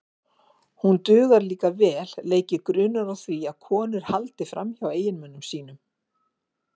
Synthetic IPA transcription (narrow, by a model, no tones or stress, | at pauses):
hunt̪ʏːɣaɾliːkavɛːlleːjcɪkɾʏːnaɾawθviaðkʰɔːnɪɾ̥halt̪ɪfɾa̰mçaweːjɪnmɛnːʏmsiːnʏm